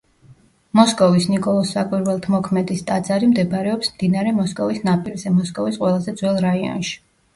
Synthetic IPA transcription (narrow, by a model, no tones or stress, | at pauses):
mɔskʼɔvisnikʼɔlˠɔsːakʼwiɾwɛlˠt̪ʰmɔkʰmɛd̪ist̪ʼad̪zaɾimd̪ɛbɾɛɔpsmd̪inaɾɛmɔskʼɔvisnapʼilzɛmɔskʼɔvisqʼwɛlˠazɛd̪zwɛlˠɾaiɔ̰nʃi̥